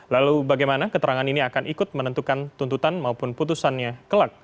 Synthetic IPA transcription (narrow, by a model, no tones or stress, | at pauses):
lalubaɡajmanakət̪əɾaŋaniniakanʔikʊt̪̚mənənt̪ukant̪unt̪ut̪anmaupʊnput̪usanɲakəlak̚